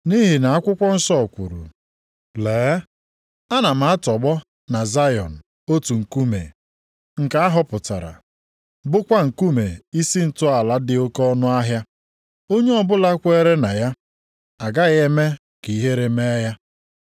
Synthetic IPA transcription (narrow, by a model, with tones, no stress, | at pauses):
ni˦ɦi˨na˨a˦kʷʊ˦kʷɔ˦n̩˦sɔ˦˨kʷṵ˨ɾṵ˨ | leː˨˦ | a˦na˨m̩˨a˦tɔ˨ɡ͡bɔ˦ | na˨za˦jɔ̰˨n̩˨ | o˦tu˨ŋ̩˨ku˦mḛ˨ | ŋ̩˨ka˨a˦ɦɔ˦pʊ˨ta̰˨ɾa̰˨ | bʊ˦kʷa˦ŋ̩˨ku˦me˨i˦si˦n̩˨tʊ˦a˨la˦dɪ˨˦o˦kɔ˦nʊ˦a˦ɦja˦ | o˦ɲe˦ɔ˦bʊ˦la˦kʷe˦ɾe˦na˨ja˦ | a˨ɡa˦ɣe˦me˦ | ki˨ɦe˦ɾe˨me˦ja˦